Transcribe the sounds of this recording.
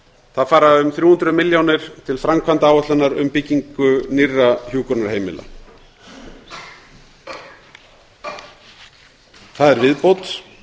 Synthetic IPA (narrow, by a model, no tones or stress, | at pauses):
θaðfaːɾaʏmθɾjuːhʏnt̪ɾʏmɪljownɪɾ̥t̪ʰɪlfɾamkʰvant̪aːwœht̪lanaɾʏ̰mpɪcːiŋkʏnirːaçuːkʏɾnaɾ̥heːjmɪ̰la̰ | θaðɛɾvɪðpowt̪